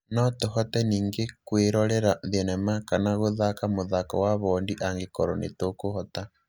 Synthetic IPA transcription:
nɔtoɦɔtɛniːŋɡekweɾɔɾɛɾaðiɛnɛmakanaɣoðakamoðakɔ̰waβɔːndiʔaŋɡekɔɾɔnḛtokohɔta

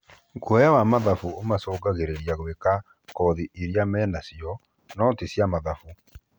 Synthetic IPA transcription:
kwɔjawamaðafuomasoːɡaɣeɾeɾjaɣweka | kɔðiʔeɾiamɛnasiɔ | nɔtesjamaðafu

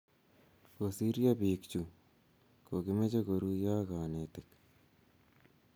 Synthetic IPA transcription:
kosiɾjabiːkt͡ʃu | koɡɪmet͡ʃekoɾujaːkaːnet̪ek

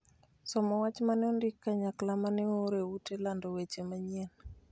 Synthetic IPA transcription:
sɔmɔwat͡ʃmanɔndɪkːaɲaklamanɪoɾeutelandɔwet͡ʃemaɲen

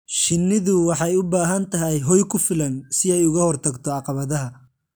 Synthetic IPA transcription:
ʃɪnːɪðʊwɑħɑjʊbaːɦɐnt̪ʰɐɦɛjɦɔjkʰʊfɪlɐnsɪɛjʊɣɐhɔrt̪ʰɐɡt̪ʰɔɑqɑβɐðɐɦɐ

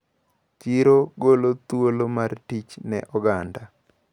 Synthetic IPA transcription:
t͡ʃiɾoɡolot̪wolomartit͡ʃnɛ̰ʔɔɡanda

